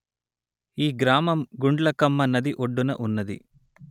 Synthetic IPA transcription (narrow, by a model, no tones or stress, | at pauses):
iːɡɾaːmɐmɡuɳɖlɐkɐmːɐnɐd̪iʔoɖːunɐ̰ʔunːɐd̪ḭ